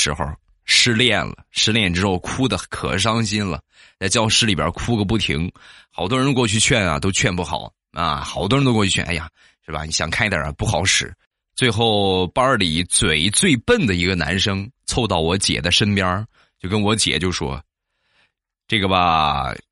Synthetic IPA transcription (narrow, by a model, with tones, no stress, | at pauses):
ʂɻ̩˧˥xo˧˩ʊ | ʂɻ̩˥˧ljɛ˥˩nlə̰˩ʂɻ̩˥˧ljɛ˥˩nʈ͡ʂɻ̩˥xo˥˧ʊkʰu˥d̪ə˨kʰɤ̰˨˩ʂ̬ɑ˥ŋɕi˥nlə̰˨ | t͡sa˥˧ɪt͡ɕjɑ˥˧ʊʂɻ̩˥li˨˩bjə̰˞˧˥kʰu˥ɡə˧pu˥˩t̪ʰḭ˧˥ŋxɑ˨˩ʊt̪wɔ˥ɻə˧˥n˧kwɔ˥˧t͡ɕʰy˥˧t͡ɕʰɥɛ˥˩nɐ̰˨˩t̪o˥ʊt͡ɕʰɥɛ˥˧npu˥˩xɑ̰˨˩˦ʊ | ɐ̰˧xɑ˨˩ʊt̪wɔ˥ɻnt̪o˥wʰy˥˧t͡ɕʰɛ̰˥˧ʔa̰˧˥˩ja˨˩ | ʂɻ̩˥˩bɐ̰˨˩ni˧˥ɕjɑ̰˨˩ŋkʰa˥˧nɪ˧˥d̪jə̰˞˨˩˧pu˥˩xɑ˧˥ʊʂɻ̩˨˩˦ | t͡swe˥˧ɪxo˥˩ʊpɑ˥li˨˩t͡swe˨˩ɪt͡swe˥˧ɪpə˥˩nd̪ə˩i˧˥ɡə˧na̰˧˥nʂɤ˥ŋt͡sʰo˥˧ʊt̪ɑ˥˩ʊwɔ˧˥t͡ɕjɛ̰˨˩d̪ə˦ʂə˥npjɑ˥ | t͡ɕjo˥˩ʊkə˥nwɔ˧˥t͡ɕjɛ̰˨˩t͡ɕjo˥˩ʊʂwɔ̰˥ | ʈ͡ʂɤ˥˩ɡə˩bɐ˩